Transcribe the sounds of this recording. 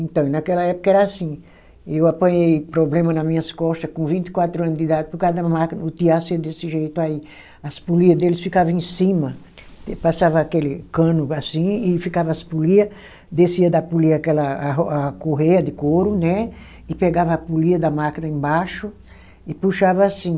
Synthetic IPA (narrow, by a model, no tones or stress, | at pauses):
ẽnt̪ɐ̃w̃nɐakɛlɐɛpʊ̥kɐɛɾɐasĩ | ewapɐ̃ɲejpɾoblẽmɐnɐmĩɲɐskɔst̪ɐkõvĩnt̪ɪ̥kwat̪ɾuɐ̃nzd̪id̪ad̪ɪpʊɾkad̪ɐmakinɐʊt̪iased̪esɪʒejt̪ʊai | ɐspuliɐd̪elɪsfikavɐ̃ẽsĩmɐ | pasavɐakelɪkɐ̃nʊasĩɪfikavɐaspuliɐ | d̪esiɐd̪apuliɐkɛlɐakoɦejɐd̪ɪkoɾʊnɛ | ɪpeɡavɐapuliɐd̪ɐmakinɐẽbaʃʊ | ɪpuʃavɐasĩ